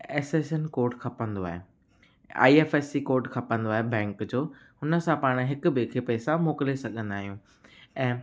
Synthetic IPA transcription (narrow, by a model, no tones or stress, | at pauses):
eːseːsənkoːɾʈkʰɐpə̃nd̪oaːɦe | a̰ːieːfeːsikoːɾʈkʰɐpə̃nd̪oaːɦebɛ̃ːŋkd͡ʑoːɦʊnə̆sãpaːɽ̃ɦɪkʊ̆bɪkʰepɛːsãmoːkɪlesɐɠʱə̃nd̪aːɦijũː | ɛ̃ː